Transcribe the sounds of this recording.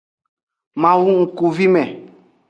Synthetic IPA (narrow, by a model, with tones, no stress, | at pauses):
mã˨wu˦ŋ̩˨ku˨vi˦mɛ˨